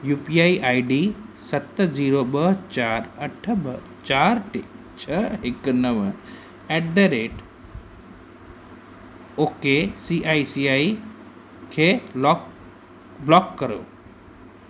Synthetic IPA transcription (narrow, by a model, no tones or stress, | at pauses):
jupiaiʔajɖisɐt̪ːd͡ʒiːɾobəɦt͡ʃaɾəʈʰəbə | t͡ʃaɾʈet͡ʃʰəeknəʋə | ɛʈ̚d̪əɾeʈ | okesiʔajsiai | kʰe | blɔkːəɾo̰